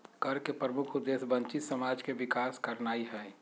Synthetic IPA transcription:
kɐɾkepɾəmʊkʰʊd̪ːeːsbə̃nt͡ʃɪt̪sɐmaːd͡ʒkeʋɪkaːskɐɾnaːiɦɛː

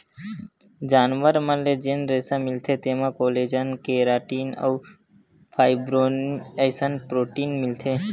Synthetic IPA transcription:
d͡ʒaːnʋəɾmãled͡ʒenɾeːsãmɪlt̪ʰet̪eːmãkoːleːd͡ʒənkeːɾaːʈiːnə̰w | pʰaːɪbɾoːnəːsənpɾoːʈiːnmɪlt̪ʰe

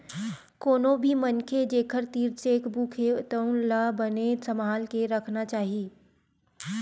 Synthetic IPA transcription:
koːnõbʱimənkʰed͡ʒeːkʰəɾt̪iːɾseːkbuːkʰeʊt̪əʊnlabənesɐmaːlkeɾɐkʰnat͡ʃaːɦieː

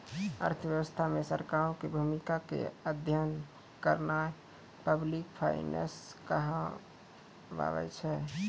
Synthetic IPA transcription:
ə̰ɾt̪ʰəjəʋəst̪ʰamesəɾkaɾõkebʱumikakḛəd̪ʱjən | kəɾna | pəblikpʰa̰ɪnḛskəɦə | ʋa̰ʋɛ̰t͡ʃʰɛ

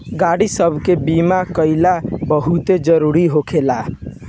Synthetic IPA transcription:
ɡaɽisəbʱkebimakəɪlabəɦut̪ed͡ʒəɾuɾiɦokʰela

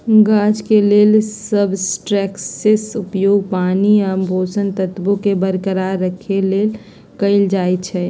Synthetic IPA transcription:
ɡaːd͡ʒkeleːlsəbʱsʈɾɛkssesupjoːɡpaːniəmbʱosənt̪ət̪bokebəɾkəɾaɾːəkʰeleːl | kəɪld͡ʒaːjt͡ʃʰɛ

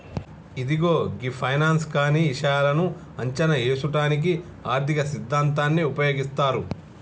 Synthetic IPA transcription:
id̪iɡo̞ːɡipʰɐjnaːnskaːniːʃaːlɐnu | ɐɲt͡ʃɐnɐeːsuʈaːnik̬i | aːɾt̪ikɐsid̪ʱːaːnt̪aːnːiupɐjo̞ːɡist̪aːɾu

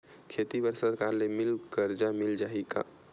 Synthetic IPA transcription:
kʰeːt̪ibəɾsad̪kaːɾlemɪlkəɾd͡ʒamɪld͡ʒaːɦika̰

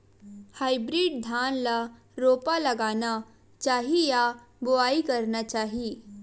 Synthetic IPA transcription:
haːibɾiːɖ̚d̪ʱaːnla | ɾoːpalɐɡaːna | t͡ʃaːɦija | bʊaːikɐɾnat͡ʃaːɦi

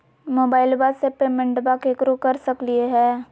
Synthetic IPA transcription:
moːbaːɪlbasepeːmẽɳʈbakekɾokɐɾsɐklieɦɛː

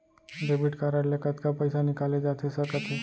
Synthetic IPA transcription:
ɖebiʈkaɾaɽlekat̪kapəjsanikaled͡ʑat̪ʰesəɾkak̪ʰuː

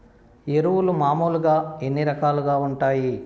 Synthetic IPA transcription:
eɾuwulumaːmuːluɡaːenːiɾɐkaːluɡaːuɳʈaːji

